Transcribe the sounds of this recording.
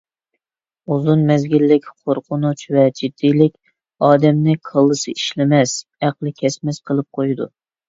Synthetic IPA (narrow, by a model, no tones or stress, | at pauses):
uzunmɛzɡʲilːɪkʲqʰoɾqʰʊnut͡ʃvɛd͡ʒid̪̥ːijlɪkʲ | ɑːd̪ɛmnɪqʰəlˠːɨsɨiʃlɪmɛsæqlˠɨkʲʰɛsmɛsqʰəlˠɨp̚qʰojd̪ṵ